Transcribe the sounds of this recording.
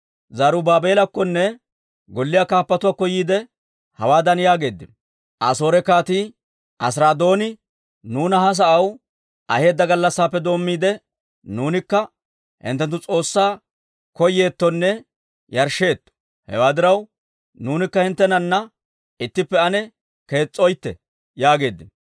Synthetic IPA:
zaɾʊbaːbe̞ːlɐkːɔnːɛ | ɡɔlːɪjaːkaːpːɐt̪ʊwaːkɔjiːd̪ɛ | hɐwaːd̪ɐnjaːɡe̞ːd̪ːɪn | ʔɐ̰so̞ːɾɛkaːt̪iː | ʔɐs̬ɾaːd̪o̞ːnɪ | nuːnɐɦɐs̬ɐʔɐw | ʔɐhe̞ːd̪ːɐɡɐlːɐsːaːpːɛd̪o̞ːmːiːd̪ɛ | nuːnɪkːɐ | hɪ̰nt̪ːɛnt̪ːʊt͡sʼo̞ːsːaː | kɔjːe̞ːt̪ːɔnːɛ | jɐɾʃːe̞ːt̪ːɔ̥ | hɛ̰waːd̪ɪɾɐw | nuːnɪkːɐhɪnt̪ːɛnɐnːɐ | ɪt̪ːɪpːɛɐnɛ | ke̞ːt͡sʼːɔjt̪ːɛ̰ | jaːɡe̞ːd̪ːɪn

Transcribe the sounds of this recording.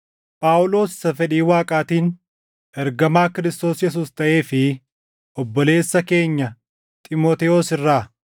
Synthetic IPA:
pʼaːʔʊlo̞ːsːɐfɛᶑiːwaːkʼaːt̪iːn | ʔɛɾɡɐmaːkɪɾɪst̪o̞ːsjɛs̬uːst̪ɐʔe̞ːfɪ | ʔɔbːɔle̞ːsːɐke̞ːɲːɐ | t̪ʼɪmoːt̪ɛoːsɪrːaː

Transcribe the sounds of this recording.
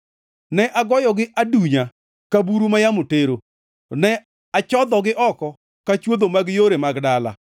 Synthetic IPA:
nɛʔaɡɔjɔɡɪʔaduɲa | kabuɾumajamoteɾo | nɛ | at͡ʃɔd̪ɔɡɪʔɔkɔ | kat͡ʃwod̪omaɡjoɾemaɡdala̰

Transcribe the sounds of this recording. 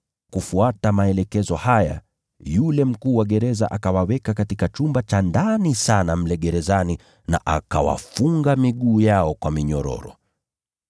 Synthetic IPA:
kufuatamaɛlɛkɛzɔhaja̰ | julɛm̩kuːwaɠɛɾɛzaʔakawawɛkakatikat͡ʃumbat͡ʃandanisanam̩lɛɠɛɾɛzani | na̰ʔaka̰wa̰fuŋɡamiɠuːjaɔkwamiɲɔɾɔ̰ɾɔ̰

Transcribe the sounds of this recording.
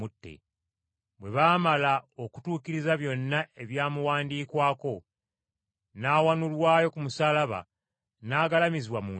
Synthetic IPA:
utːe̞̰ | bwe̞βaːmalao̞ku̥tuːkiɾizaβjo̞nːaʔe̞βjaːmuwaːndiːkwaːko̞ | naːwanulwaːjo̞kumusaːlaβa̰ | naːɡalamiziβwamuː

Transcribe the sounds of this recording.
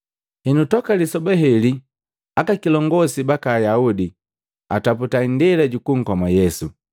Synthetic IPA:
hɛnutɔkalisɔbɛɦɛli | akakilɔŋɡɔsibakaːjaudi | a̰taputaindilaɟukuŋ̩kɔmajɛsu

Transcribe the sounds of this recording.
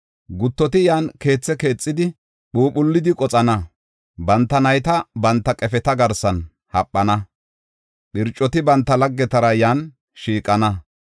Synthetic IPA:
ɡʊt̪ːɔt̪ɪjaːnke̞ːt͡sːɛke̞ːt͡sʼːɪd̪ɪ | ɓuːɓʊlːɪd̪ɪkʼɔt͡sʼɐnɐ | bɐnt̪ːɐnɐjt̪ɐbɐnt̪ːɐkʼɛfɛt̪ɐɡɐɾsɐn | hɐpʼːɐnɐ | ɓɪɾt͡ʃʼːɔt̪ɪbɐnt̪ːɐlɐɡːɛt̪ɐɾɐjaːn | ʃiːkʼːɐnɐ

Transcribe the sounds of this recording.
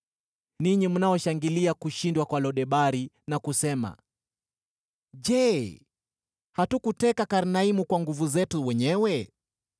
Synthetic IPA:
niɲimunaɔʃaŋɡiliakuʃindwakwalɔɗɛɓaɾi | nakusɛma̰ | ʄɛ | hatukutɛkakaɾnaimukwaŋɡuvuzɛtuwɛɲɛwɛ

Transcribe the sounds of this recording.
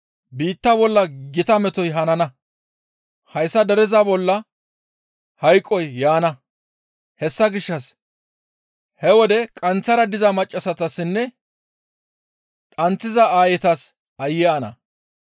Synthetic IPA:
biːt̪ːɐbɔlːɐɡɪt̪ɐmɛt̪ɔjɦɐnɐnɐ | hɐjsːɐd̪ɛɾɛzabɔlːɐ | hɐjkʼːɔjːaːnɐ | hɛsːɐɡɪʃːɐs | hɛwɔd̪ɛkʼɐnt͡sːɐɾɐd̪ɪzɐmɐt͡ʃʼːɐsɐt̪ɐsːɪnːɛ | tʼɐnt͡sːɪzɐaːjɛt̪ɐs | ɐjːɛɐnɐ̰

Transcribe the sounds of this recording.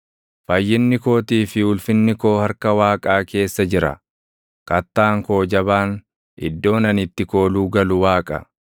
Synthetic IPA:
fɐjːɪnːɪko̞ːt̪iːfɪʊlfɪnːɪko̞ːhɐɾkɐwaːkʼaːke̞ːsːɐd͡ʒɪɾɐ̰ | kʼɐt̪ːaːŋko̞ːd͡ʒɐβaːn | ɪ̰d̪ːo̞ːnɐnɪt̪ːɪko̞ːluːɡɐlʊwaːkʼɐ̰

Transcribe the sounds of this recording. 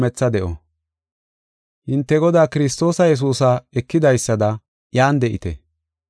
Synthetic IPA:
mɛt͡sːɐd̪ɛʔɔ̰ | hɪnt̪ːɛɡɔd̪aːkɪɾɪs̬t̪o̞ːsɐjɛs̬uːsɐɛkːɪd̪ɐjsːɐd̪ɐ | jaːnd̪ɛʔɪ̰t̪ɛ̰

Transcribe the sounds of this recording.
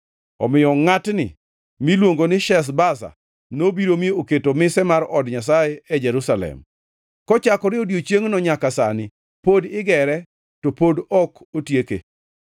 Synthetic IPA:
ɔ̰mɪjɔŋatnɪ̰ | milwoŋɡonɪʃɛs̬basa̰ | nobiɾomeoketomɪsɛmaɾɔdɲas̬ajɛɛd͡ʒɛɾusalɛ̰m | kɔt͡ʃakɔɾɪodjot͡ʃjeŋnɔɲakasanɪ | podɪɡɛɾɛ | topodɔkotjekḛ

